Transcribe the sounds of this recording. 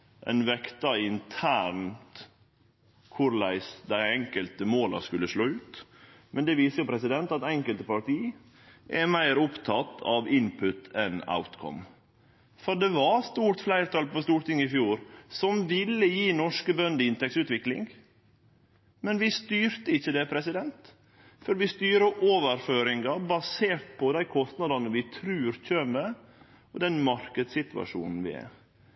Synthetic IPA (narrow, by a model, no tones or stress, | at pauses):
ʔɛ̰nʋɛkt̪ɑɪnt̪ʰæːɾnt̪ | kʰʊɾlæɪsd̪æɪɛŋkəlt̪əmoːlɑ̰skʉlːəʂɭoːʉːt̪ | mʔɛnd̪ɛʋiːsəjʊpʰɾɛsɪd̪ɛnt̪ɑt̪ɛŋkəlt̪əpɑɾt̪ʰiː | ʔɛɾmæɪɾʊpt̪ʰɑt̪ːɑ̰ʋɪnpʰʉt̪ɛna̰ʊt̪kʰɔ̰m | fɔɖɛʋɑɾst̪uːɾt̪flæɪɾt̪ʰɑlpʰɔst̪uːʈt̪ɪŋːɪfjuːɾsɔmʋɪlːəjiːnɔʂkəbœnd̪əɪnt̪ɛksʉːt̪ʋɪklɪ̰ŋɡ | mɛnʋɪst̪yːɾt̪əɪçːəd̪ɛpʰɾɛsɪd̪ɛnt̪ | fɔɾʋɪst̪yːɾəʔoːʋəɾføːɾɪŋɡɑbɑseːʈ̚pʰɔd̪æɪkʰɔst̪nɑd̪ɑnəʋɪt̪ʰɾʉːɾçøːmə | ɔd̪ɛnmɑɾkəd̪sɪt̪ʉɑ̰ʂṵːnn̩ʋɪ̰æ̰ɾ